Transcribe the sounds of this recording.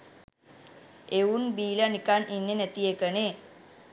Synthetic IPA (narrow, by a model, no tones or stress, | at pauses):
eunbiːlanikaninːenæt̪ijekəne